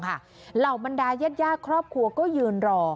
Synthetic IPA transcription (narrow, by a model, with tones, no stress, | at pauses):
kʰa˦˥˩ | la˨˩wba˧ndaː˧ja˥˩t̪̚jaː˥˩kʰɾɔː˥˩p̚kʰɾu˧ɐkɔː˥˩jɯː˧nɾɔː˧